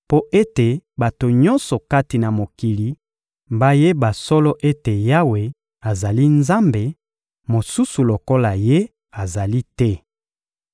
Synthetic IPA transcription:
po˦ʔe˦te˨ba˨to˨ɲɔ˦nsɔ˨ka˦ti˨na˨mo˨ki˨li˨˦ | mba˦je˦ba˨sɔ˦lɔ˦ʔe˦te˨ja˦we˨ | a˨za˨li˦nza˦mbe˨ | mo˨su˦su˨lo˨ko˦la˨je˦ | a˨za˨li˦tɛ˦

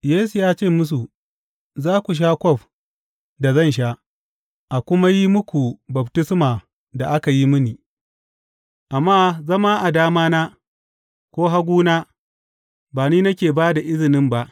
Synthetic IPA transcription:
jeː˦s̬u˨jaː˦t͡ʃeː˦˨mʊ˦s̬u˨ | zaː˦kʷu˨ʃ̬a˦kʷɔ˦ɸ | da˨zɐ˦nʃ̬a˦ʔ | ʔa˨kʷʊ˦ma˦ji˦mʊ˦kʷu˨bɐ˨btɪ˦smaː˨ | da˨ʔa˦ka˨ji˦mɪ˦niː˨ | ʔa˨mːaː˦zɐ˦ma˦ʔa˨daː˦maː˦naː˦ | kʷoː˦ɦa˦ɡʷuː˦naː˦ | baː˨niː˦nɐ˦kʲeː˨baː˦da˨ʔɪ˦zɪ˨nɪ˦mba˦ʔ

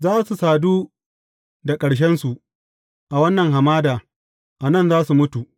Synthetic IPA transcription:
zaː˦su˨saː˨duː˦ | da˨kʼɐ˨ɽʃ̬ɛ˦nsu˨ʔ | ʔa˨wɐ˦nːɐ˨ŋɦa˨maː˦daː˨ | ʔa˨nɐ˦nzaː˦su˨mʊ˦tu˨ʔ

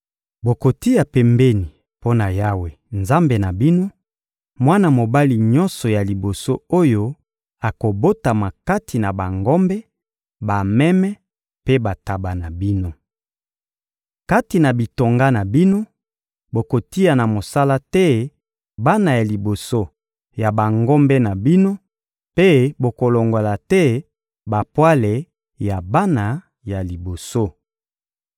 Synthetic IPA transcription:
bo˨ko˨ti˦ja˨pɛ˨mbɛ˦ni˨ | po˦na˨ja˦we˨ | nza˦mbe˨na˨bi˦no˦ | mwa˦na˨mo˨ba˦li˨ɲɔ˦nsɔ˨ja˨li˨bo˨so˦o˦jo˦ | a˨ko˨bo˦ta˨ma˨ka˦ti˨na˨ba˨ŋɡɔ˦mbɛ˦ | ba˨mɛ˦mɛ˦ | pe˦ba˨ta˨ba˨na˨bi˦no˦ | ka˦ti˨na˨bi˨to˨ŋɡa˦na˨bi˦no˦ | bo˨ko˨ti˦a˨na˨mo˨sa˦la˦tɛ˦ | ba˦na˨ja˨li˨bo˨so˦ | ja˨ba˨ŋɡɔ˦mbɛ˦na˨bi˦no˦ | pe˦bo˨ko˨lo˨ŋɡo˨la˨tɛ˦ | ba˨pwa˦le˨ | ja˨ba˦na˨ | ja˨li˨bo˨so˦

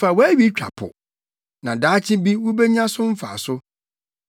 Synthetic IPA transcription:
fa˨wæ˦ɥi˦t͡ɕᶣa̰˨pʰʊ̰˨ | nã˨daː˨˦t͡ɕʰɪ˦bi˦wʊ˦be˦ɲã˦sʊ˦m̩˦fa̰˨sʊ˦

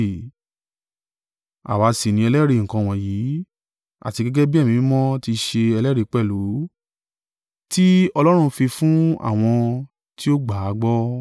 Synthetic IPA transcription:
a̰˨wa˨˦si˨nĩ˧ɛ˧lɛ˦ɾe˧˨ŋ̩˨kã˧˨w̃ɔ̃˨ji˨˦ | a̰˦˨ti˧ɡɛ˦ɡɛ˦bi˦ɛ˦˨mĩ˨˦mɔ̃˦ti˧ʃe˧ɛ˧lɛ˦ɾi˧k͡pɛ˦˨lu˨˦ | ti˦ɔ˧lɔ˦ɾ̃ũ˧fi˧fũ˦a̰˦˨w̃ɔ̃˧ | ti˦o˦ɡ͡ba˨a˨˦ɡ͡bɔ˦

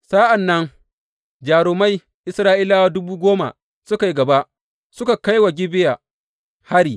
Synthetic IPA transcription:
saː˦ʔa˨nːɐ˦ŋ | d͡ʒaː˨ɾʊː˨ma˦j | ʔɪ˦sɾaː˦ʔiː˦laː˦wa˦dʊ˦buː˦ɡʷoː˦ma̰˨ | sʊ˦ka˨ji˦ɡɐ˨ba˦ʔ | sʊ˦ka˨ka˦jwa˨ɡʲɪ˦bɪ˦ja˨ | ha˦ɽiː˨

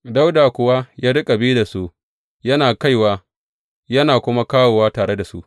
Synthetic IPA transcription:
da˦wdaː˨kʷʊ˨wa˦jaː˦dʊ˦kʼa˨biː˦da˨su˦ʔ | jɐ˦naː˨ka˦jwaː˦ | jɐ˦naː˨kʷʊ˦ma˦kaː˦woː˨waː˦taː˨ɾe˦da˨sṵ˦ʔ

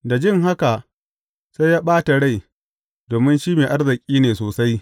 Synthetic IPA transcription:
da˨d͡ʒɪ˦ŋɦa˦ka˨ʔ | sa˦jaː˦ɓaː˦ta˨ɽa˦˨j | doː˨mɪ˦nʃiː˦meː˨ʔa˦rzɪ˨kʲʼiː˦neː˨soː˨sa˦j

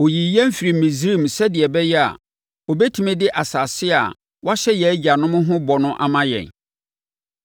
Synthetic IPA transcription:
o˨ji˨jɛ̃˦m̩˦fi˨ɾi˨mĩ˨zi˦˨msɛ˦dɪ˨ɛ˨bɛ˦jɛ˦a̰˨ | o˨bɛ˦tʰi˨mɛ̃˦dɪ˦ʔa˨sa˨sɪ˦a̰˨ | wa˦ɕɛ˦jɛ˨˦d͡ʑa˨nʊ̃˦mʊ̃˦ɦʊ̃˦bɔ˨nʊ̃˦ʔa̰˨mã˦jɛ̰̃˨n

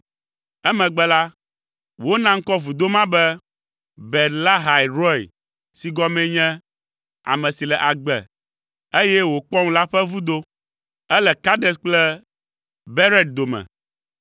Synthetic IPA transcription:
ɛ˦mɛ̃˨ɡ͡bɛ˨la˦ | wo˦nã˦ŋ̩˦kɔ˦vu˨d̪o˦mã˦bɛ˦ | bɛ˨tla˦ɦa˨i˨ɾɔ˦ḭ˨ | si˨ɡɔ˦mɛ̃˦ɲɛ̃˦ | a̰˨mɛ̃˨si˨lɛ˨ʔa˨ɡ͡bɛ̰˨ | e˦jɛ˦wo˨k͡pɔ˦ŋ˦la˦ɸɛ˦vu˦d̪o˦ | ɛ˦lɛ˨ka˦ɖɛ˦sk͡plɛ˦ | bɛ˦ɾɛ˦d̪̚d̪o˨mɛ̰̃˨

